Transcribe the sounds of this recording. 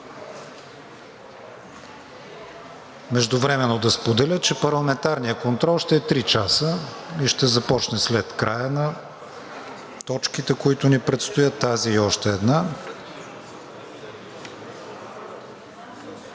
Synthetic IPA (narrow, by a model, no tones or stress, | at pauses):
mɛʒd̪ʊvɾɛmɛnːod̪ɐspod̪ɛlʲət͡ʃɛpɐɾlˠɐmɛnt̪aɾnijəkont̪ɾɔlˠʃt̪ɛɛt̪ɾit͡ʃasəiʃt̪ɛzɐpɔt͡ʃnɛslɛt̪kɾʔajənɐ | t̪ɔt͡ʃkit̪ɛkoit̪ʊnipɾɛt̪st̪ʊjət̪ːaziːɔʃt̪ɛːd̪na